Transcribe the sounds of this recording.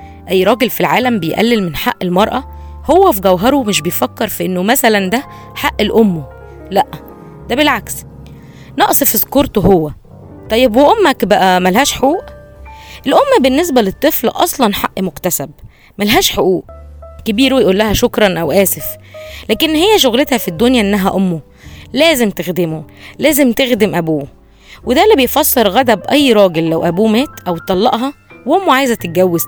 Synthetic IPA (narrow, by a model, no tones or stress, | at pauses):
ʔæjːɾˤɑːɡelfilʕaːlæmbejʔæ̰lːelmenħa̰ʔːelmɑɾˤʔɑ | howːæfiɡæwɦɑɾˤomeʃ̬bejfækːeɾˤfiʔenːomæsælænd̪æ | ħaʔːelʔomːo | læʔ | d̪̥æbelʕaks | nɑʔsˤefizkoɾt̪ˤohowːæ | t̪ˤɑjːebweʔomːækbæʔæmælhæːʃħoʔuːʔ | ʔelʔomːbenːes̬bælet̪ˤːɨflʔɑ̰sˤlɑnħaʔːmokt̪æsæb̚ | mælɦæːʃħoʔuːʔkebiːɾwejeʔuːlːæhæʃokɾˤɑnʔæwʔæːseflæːkenːhejːæʃ̬oɣlet̪hæfid̪ːonjæʔenːæɦæʔomːo | læːzemt̪exd̪emolæːzemt̪exd̪emʔæbuː | wed̪ælːibejfɑsˤːeɾˤɣæd̪æbʔæjːɾˤɑːɡelːæwʔæbuːmæːt̪ʔæwt̪ːˤɑlːɑ̰ʔɦɑ | weʔomːoʕaːjzæt̪et̪̚ɡæwːez